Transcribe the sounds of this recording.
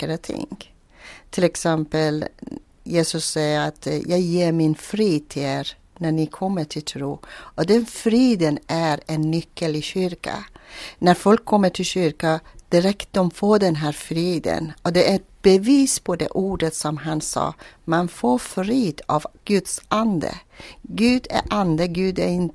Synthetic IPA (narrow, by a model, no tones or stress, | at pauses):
ɾat̪ʰɪ̰ŋ | t̪ʰɪlɛksɛmpəl | jeːsɵsːɛjəɾat̪jɑːɡjeːɾmɪnfɾiːd̪̚t̪ʰɪleːɾ | næɳɪkʰɔmːəʈʰɪlt̪ʰɾuːʔɔd̪ɛnfɾiːd̪ənʔæɾɛnːʏkʰːəlɪɕʏɾka̰næɾfɔlkʰːɔmːəʈʰɪlɕʏɾkad̪̥ɪɾɛkt̪̚d̪ɔmfoːd̪ɛnɦæːɾfɾiːd̪ə̰nɔd̪ɛʔæɛt̪̚b̥əviːspʰɔd̪ḛːʔuːɖət̪sɔmɦansɑ̰ːmanfoːɾfɾiːd̪̥ɑ̰vɡ̥ʉd̪sʔand̪ə̰ɡʉːd̪æ̰ɾʔand̪əɡʉːd̪æɾɪn